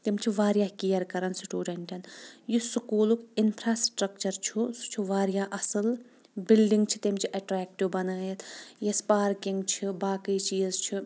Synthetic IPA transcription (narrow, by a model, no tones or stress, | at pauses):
t̪imt͡ʃʰiʋaːɾijaːkijɐɾkɐɾansiʈuːɖɐɳʈʲɐnjisukuːlukinpʰɾaːsʈɾɐk̚t͡ʃɐɾt͡ʃʰusu̥t͡ʃʰuʋaːɾjaːʔɐsɨl | bilɖiŋɡt͡ʃʰi̥t̪imt͡ʃʰiʔɐʈɾɛːkʈiʋbɐnaːjɐt̪jespaːɾkiŋɡt͡ʃʰibaːkəjt͡ʃiːzt͡ʃʰi